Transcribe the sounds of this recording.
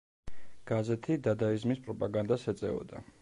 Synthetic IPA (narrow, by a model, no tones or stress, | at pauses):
ɡ̥azɛt̪ʰid̪ad̪aizmispʼɾɔpʼaɡand̪asɛt̪sʼɛ̰ɔ̰d̪a